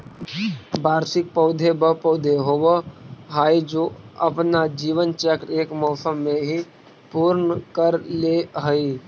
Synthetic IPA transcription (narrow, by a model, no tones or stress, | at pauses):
baːɾsɪk̚pəʊd̪ʱebəpoʊd̪ʱeɦoʋəɦaːid͡ʒoɐpnad͡ʒiːʋənt͡ʃɛkɾeːkmɔːsəmːẽɦi | puːɾnəkəɾleɦəiː